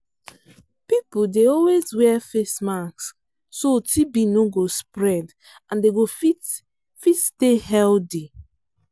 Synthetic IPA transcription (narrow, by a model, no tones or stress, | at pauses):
pipudeɔlwezwɛfesmaksː | otʰibinoɡospɹɛd | ãndeɡofi | fitstehɛldi